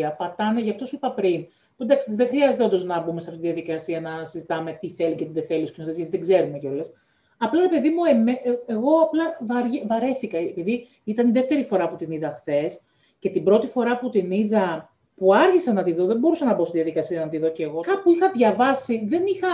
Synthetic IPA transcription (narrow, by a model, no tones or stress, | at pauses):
ɐpɐt̪ɐneʝɐft̪o̞sipɐpɾin | pund̪ɐksiðexɾiɐzet̪eod̪oznɐbumesɐft̪it̪iðijɐðikɐsiɐnɐsizit̪ɐme̞t̪iθe̞licet̪iðeθe̞lit̪uscinot̪ezʝɐt̪iðeɡze̞ɾumeceo̞le̞s | ɐplɐɾe̞pe̞ðimuemeeɣo̞ɐplɐvɐɾʝvɐɾe̞θikɐepiði | it̪ɐniðeft̪e̞ɾifo̞ɾɐput̪iniðɐxθe̞s | ce̞t̪ibɾo̞t̪ifo̞ɾɐput̪iniðɐ | puɐɾʝisɐnɐt̪iðo̞ðembo̞ɾusɐnɐbost̪iðjɐðikɐsiɐnɐt̪iðo̞ceɣo̞kɐpuixɐðʝɐvɐsiðe̞nixɐ